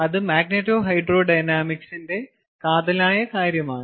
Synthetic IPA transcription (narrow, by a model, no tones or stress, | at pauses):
ɐðɨmaːɡnetːoːɦɐjɖro̞ːɖɐjnaːmiksinde̞ | kaːðɐlaːjɐkaːɾjɐmaːɳɨ